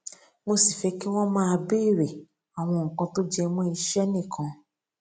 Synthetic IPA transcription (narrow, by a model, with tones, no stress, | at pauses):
mo˧si˨fɛ˨˦ki˦w̃ɔ̃˦mãː˦˧be˦i˦˨ɾɛ˨ | a˨w̃ɔ̃˧ŋ̩˨kã˧to˦d͡ʒɛ˧mɔ̃˦i˧ʃɛ˦nĩ˦˨kʰã˧